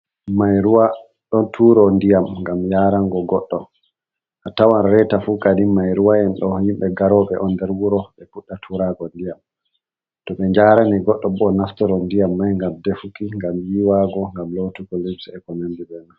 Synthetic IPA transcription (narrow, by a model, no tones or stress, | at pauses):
majɾuwa | ɗɔntʰuɾɔndijamŋɡamjaːɾaŋɡɔɡɔɗːɔ | ʔatawanɾɛtafukadimajɾuwaɛnɗɔhimɓɛɡaɾɔɓɛʔɔndɛɾwuɾɔɓɛpuɗːatʰuɾaɡɔndijam | tɔɓɛɲd͡ʒaɾaniɡɔɗːɔbɔnaftɔɾɔndijamːajŋɡamdefukiŋɡamjiwaɡɔŋɡamlotuɡɔlibsɛkɔnandibɛna